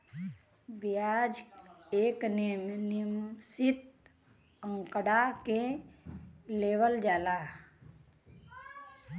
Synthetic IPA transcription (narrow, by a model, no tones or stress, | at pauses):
bjad͡ʒeːknnimsɪt̪ | ə̃ŋkəɽake | leːwəld͡ʒaːla